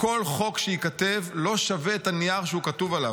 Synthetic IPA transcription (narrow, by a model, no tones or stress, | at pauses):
ko̞lχo̞kʃeikat̪evlo̞ʃaveːt̪aniaʁʃeukat̪uvalav